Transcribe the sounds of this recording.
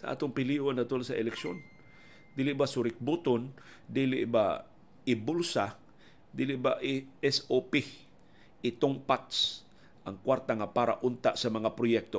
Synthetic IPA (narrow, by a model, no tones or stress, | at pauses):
saʔa̰ːt̪ʊŋpɪliːʔonɐt̪olsɐʔɪlɛkʃo̰n | d̪iːlɪʔbasʊɾɪk̚but̪ʊn | d̪iːlɪ̰ʔba̰ | ɪbʊlsa | d̪iːlɪʔbaʔɪɛsopɪ | ɪt̪ʊŋpat̪s | ʔaŋkwaɾt̪aŋapaːɾa̰ʔʊnt̪aʔsɐmɐŋapɾʊjɛk̚t̪o